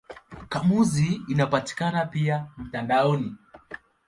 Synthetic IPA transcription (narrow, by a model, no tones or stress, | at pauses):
kamuziːnapati̥kanapiam̩tandaɔni